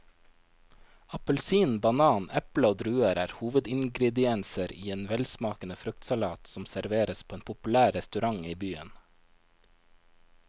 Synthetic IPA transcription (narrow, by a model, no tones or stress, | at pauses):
ɑpəlsiːnbɑnɑːnɛpləoːd̪ɾʉːəɾæːɾhuːʋəd̪ɪŋɡɾɛd̪ɪɛnsəɾiːeːnʋɛlsmɑːkənəfɾʉk̚t̪sɑlɑːt̪sɔmsæɾʋeːɾəspʰoːeːnpʰʊpʉlæːɾɛst̪ʉɾɑŋiːbyːən